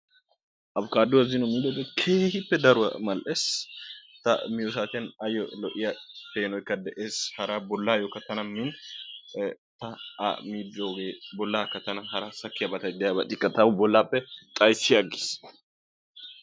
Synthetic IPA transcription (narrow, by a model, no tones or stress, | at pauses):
ʔɐbkaːd̪ʊwɐzɪnɔmiːd̪oɡekʰeːhɪpːɛd̪ɐɾʊɐ̰mɐlʔes | t̪ɐ̰mɪjɔs̬aːt̪ɪjɐnɐjɔlɔʔɪjɐpeːnɔjkːɐd̪ɛʔeːshɐɾaːbɔlːaːjɔkɐt̪ɐnɐmːɪn | t̪ɐɐ̰miːd̪ːoɡeːbɔlːaːkɐt̪ɐnɐnɦɐɾaːsɐkːɪjɐbɐt̪ɐd̪ɛjabɐt̪ʼɪkʼːɐt̪ɐbʊbɔlːaːpːɛt̪ʼɐjsːɪɐɡɪ̥s